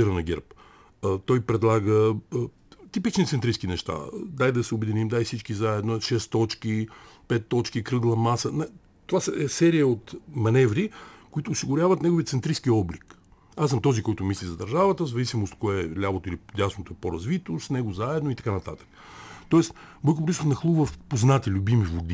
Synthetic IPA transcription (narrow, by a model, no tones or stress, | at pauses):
iɾənɐɡʲɛ̰ɾp | t̪ɔjpɾɛd̪lˠaɡə | t̪ipit͡ʃnit̪sɛnt̪ɾiskinɛʃt̪a̰d̪ajd̪ɐsɛʊbɛd̪inimd̪ajsit͡ʃkizaɛd̪noʃɛst̪ɔt͡ʃkipɛt̪ːɔt͡ʃkikɾɤɡlˠɐmasəna | t̪ovasɛɛsɛɾijəot̪mɐnɛvɾikoit̪ʊːsiɡʊɾʲavɐt̪nɛɡoviət̪sɛnt̪ɾiskiɔblik | asɐmt̪ɔzikɔjt̪ʊmislʲizɐd̪ɐɾʒavət̪əzɐvisimost̪koɛlʲabot̪oilid̪ʲasnot̪oɛpoɾɐzvit̪osnɛɡozaɛd̪noit̪ɐkanɐt̪a̰t̪ə̥kt̪ɔɛst̪bokopɾʲisnɐxlˠuvəfpoznat̪ilʲʊbimivod̪i